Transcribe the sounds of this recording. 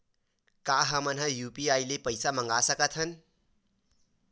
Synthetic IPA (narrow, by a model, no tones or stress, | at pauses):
kaɦʌmʌnɦʌjupiajlepʌjsamʌŋɡasʌkʌt̪ʰʌn